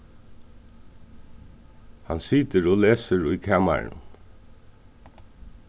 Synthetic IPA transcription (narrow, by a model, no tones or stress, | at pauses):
hansiːt̪əɾɔleːsəɾʊjkʰæːma̰ɾn